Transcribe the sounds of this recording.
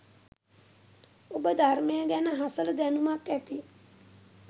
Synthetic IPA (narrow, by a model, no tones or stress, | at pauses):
obəd̪ʱarmejəɡænəɦasələd̪ænumakːæt̪i